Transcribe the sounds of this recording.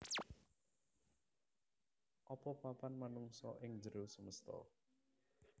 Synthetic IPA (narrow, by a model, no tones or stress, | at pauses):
ʔɔpɔpapanmanuŋsɔ̰ʔɪŋd͡ʒəɾusəməst̪ɔ̰